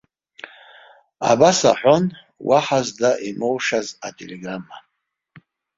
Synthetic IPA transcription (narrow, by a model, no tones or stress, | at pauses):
a̰basa̰ħᶣʷon | waħazdaʔimowʂazatʼeleɡramːa